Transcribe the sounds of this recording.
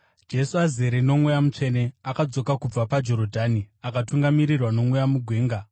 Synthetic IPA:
d͡ʒe̞suazeɾino̞mwejamut͡ʂe̞ne̞akad͡zo̞kakub͡vapad͡ʒo̞ɾodʱaːniakatuŋɡamiɾirwano̞mwejamuɡʱwe̞ːŋɡa

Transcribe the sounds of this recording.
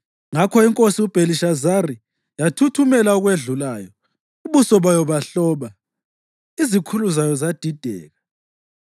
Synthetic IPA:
ŋakʰɔiŋkʼosiub̥ʱeliʃazari | jatʰutʰumɛlauɣweɮulaːjɔ | uβusɔβajɔβaɬɔβa | izikʰuluzajɔzad̥ʱid̥ʱɛ̰ːɣa

